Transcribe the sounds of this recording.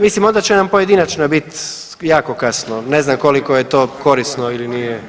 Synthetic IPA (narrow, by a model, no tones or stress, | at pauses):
mislimo̞nd̪at͡ɕenampojed̪inat͡ʃnabit̪ | jaːkokasnoneznamkolikojet̪o̞ːko̞ɾisnoilinijɛ